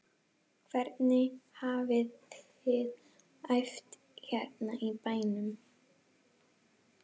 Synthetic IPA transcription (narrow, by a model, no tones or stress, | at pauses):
kʰvɛɾt̪nɪhaːvɪðθɪð | ajft̪ | çɛɾt̪naʔipaːjnʏm